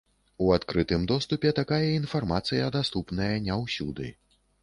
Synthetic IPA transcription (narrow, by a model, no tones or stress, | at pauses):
uat̪kɾɨt̪ɨmd̪ɔst̪upʲɛt̪akajɐinfarmat̪sɨjɐd̪ast̪upnɐjɐnʲɛwsʲud̪ɨ̰